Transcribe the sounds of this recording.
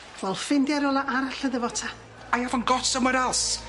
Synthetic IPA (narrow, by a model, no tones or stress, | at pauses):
vɛlˠfɪndjaɾɔlˠaʔaɾaɬəðəvɔtʰa | ajavɔnɡɔtsəmwəɾalˠs